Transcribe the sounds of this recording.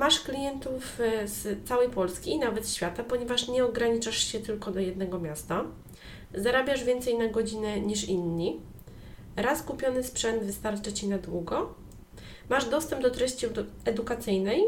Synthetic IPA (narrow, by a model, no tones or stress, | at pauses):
maʂklʲijɛnt̪ufst̪sawɛjpɔlskʲiːnavɛt̪ɕfʲjat̪apɔɲɛvaʂɲɛɔɡɾaɲit͡ʂaʂɕɛt̪ɘlkɔd̪ɔjɛd̪nɛɡɔmʲjast̪a | zaɾabʲjaʐvʲjɛnt̪sɛjnaɡɔd͡ʑinɛɲiʂinːi | ɾaskupʲjɔnɘspʂɛnd̪vɘst̪aɾt͡ʂat͡ɕinad̪wuɡɔ | maʐd̪ɔst̪ɛmbd̪ɔt̪ɾɛɕt͡ɕiɛd̪ukat̪sɘjnɛj